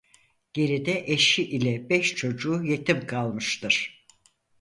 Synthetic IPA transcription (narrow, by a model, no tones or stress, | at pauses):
ɟ̥e̞ɾid̪ɛʔeʃiʔilʲɛbɛʃt͡ʃʰo̞d͡ʒuːje̞t̪ʰimkʰalˠmɯʃt̪ʰɯɾ̥